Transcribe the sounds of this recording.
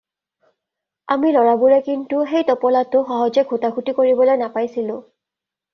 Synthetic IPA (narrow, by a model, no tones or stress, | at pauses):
a̰milɔɹabuɹɛkintuxejtɔpɔlatʊxɔɦɔzɛɡʱutakʰutikoɹibɔlojnapajsilʊ̃